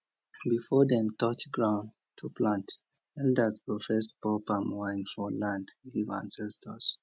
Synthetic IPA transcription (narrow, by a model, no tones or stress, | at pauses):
bifɔdɛ̃mtɔt͡ʃɡɹãʊ̃n | tʰupʰlãnt | ɛldəspɹɔfɛspɔpamwãɪ̃nfɔlãndɡivã̰nsɛstʰɔs